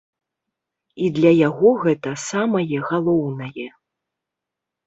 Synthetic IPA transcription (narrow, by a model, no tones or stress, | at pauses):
id̪lʲɐjaɣɔɣɛt̪ɐsamɐjɛɣalˠɔwnɐjɛ